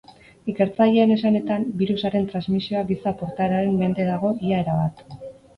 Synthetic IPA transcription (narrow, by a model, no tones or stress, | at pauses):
ike̞ɾt͡saʎe̞ːne̞sane̞t̪ambiɾusaɾe̞nt̪ɾanzmisio̞aɡisapo̞ɾt̪aɾaɾe̞mme̞nd̪e̞ðaɣ̞o̞iaeɾaβat̪